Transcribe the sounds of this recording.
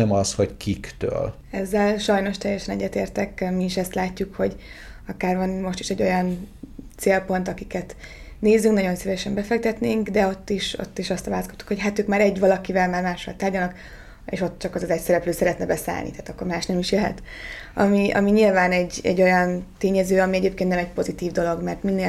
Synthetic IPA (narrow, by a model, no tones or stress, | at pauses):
ɛmɒshockikt̪ø̰ːl | ɛzːɛlʃɒjno̞ʃt̪ɛjɛʃɛnɛ̰ɟːɛt̪ḛːrt̪ɛkmiːʃɛst̪laːcːukho̞ɟ | ɒkaːrvɒnmo̞ʃt̪iʃɛɟːojɒnt̪seːlpo̞nt̪ɒkikɛt̪ | neːzyŋknɒɟo̞nsivɛʃɛmbɛfɛk̚t̪ɛt̪neːŋkd̪ɛo̞t̪ːiʃo̞̰t̪ːiʃɒst̪ɒvaːlsko̥t̪ːu̥kho̞cɦat̪øːkmaːɾɛɟvɒlɒkivɛlmaːrmaːʃʋɒ̰lt̪aːrɟɒlnɒk | ḛːʃo̞t̪ːt͡ʃɒkozɒzɛcsɛɾɛpløːsɛɾɛt̪nɛbɛsa̰ːlnit̪aːt̪ɒkːo̞rmaːʃnɛmiʃjɛɦɛ̰t̪ | ɒ̰miɒ̰miɲilvaːnɛɟɛ̰ɟːo̞jɒnt̪eːɲɛzøːɒmiɛɟeːpkeːnt̪nɛmɛc̚po̞zit̪iːvd̪o̞lo̞ɡmɛrt̪minːeː